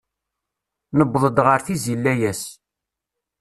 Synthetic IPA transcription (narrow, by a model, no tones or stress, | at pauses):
nəbðˤəd̪ʁəɾθizilːæjæs